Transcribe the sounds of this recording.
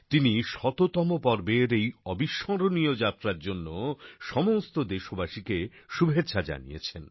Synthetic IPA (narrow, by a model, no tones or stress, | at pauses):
t̪iniʃɔt̪ot̪ɔmopɔɾbeɾejɔbiʃːɔŋɾoniod͡ʑat̪ːɾaɾd͡ʑonːoʃɔmost̪od̪eʃobaʃikeʃubʱetːɕʰad͡ʑa̰nḭjḛt͡ɕʰen